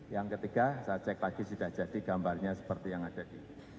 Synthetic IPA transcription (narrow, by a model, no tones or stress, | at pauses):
jaŋkət̪iɡ̥asat͡ʃɛklaɡ̥isud̥ahd͡ʒ̥ad̥iɡ̥ambarɲasə̥pərt̪ijaŋad̥adi